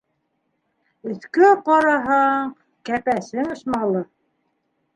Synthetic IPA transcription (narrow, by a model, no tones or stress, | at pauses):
ɵ̆θkɵqɑɾɑɦɑɴ | kæpæsɘŋŏʃmɑlˠɤ